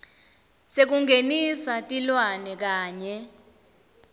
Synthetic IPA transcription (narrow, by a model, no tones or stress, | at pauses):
sek̬uŋɡʱenisatʼilwanɛk̬aːɲɛ